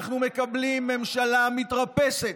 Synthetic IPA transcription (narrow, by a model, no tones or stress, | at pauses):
χnume̞kablimːe̞mʃalamit̪ʁape̞se̞t